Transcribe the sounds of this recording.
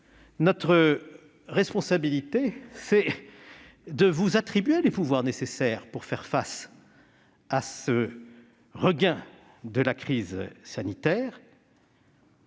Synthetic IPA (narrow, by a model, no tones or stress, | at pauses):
nɔt̪χə | ʁɛspɔ̃sabilit̪esɛ | d̪əvuzat̪χibɥelepuvwaʁnesesɛʁpuʁfɛʁfas | asə | ʁəɡɛ̃ | d̪əlakχizsanit̪ɛːʁ